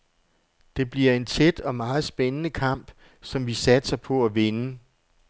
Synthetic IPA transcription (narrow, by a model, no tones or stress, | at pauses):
d̥e̝b̥liɐ̰e̝nt͡sʰed̥ɒ̽mɑ̈ːð̞̩ˠsb̥enənəkʰɑ̈m̰b̥ | sɒ̽mʋisæd̥sɐpʰɒ̽æʋenə